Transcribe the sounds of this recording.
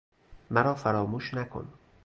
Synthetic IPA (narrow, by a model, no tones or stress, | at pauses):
mæɾɒːfæɾɒːmuːʃnækʰo̰n